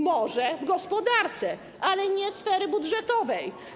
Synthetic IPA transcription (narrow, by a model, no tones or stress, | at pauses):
mɔʐɛvɡɔspɔd̪aɾt̪sɛ | ʔalɛɲɛsfɛɾɘbudʐɛt̪ɔvɛj